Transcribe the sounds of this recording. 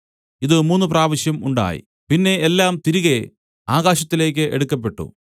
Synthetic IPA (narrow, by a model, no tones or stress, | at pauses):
iðɨmuːnːup̬raːʋɐɕjɐmuɳɖa̰ːjḭ | pinːe̞elːaːmt̪iɾuɣe̞ | aːɣaːɕɐt̪ːile̞ːk̬ʲːɨʔḛɽukːɐpːe̞ʈːṵ